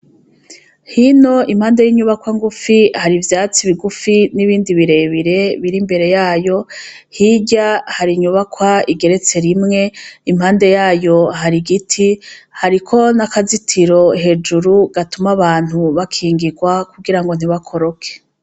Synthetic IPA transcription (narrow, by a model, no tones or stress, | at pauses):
hino̞im̥haːnde̞jiːɲuβakwaŋɡufihaɾivjaːt͡siβiɡufiniβiːndiβiɾe̞βiɾe̞βiɾimbe̞ɾe̞jaːjo̞ | hiɟahaɾiɲuβakwaiɡe̞ɾe̞t͡se̞ɾimŋe̞im̥haːnde̞jaːjo̞ɦaɾiɡitʰihaɾikʰo̞nakazitʰiɾo̞ɦe̞d͡ʒuɾuɡ̥atumaβaːn̥huβakʰiːŋɡiɡwakuɡiɾaŋɡo̞n̥iβakʰo̞ɾokʰe̥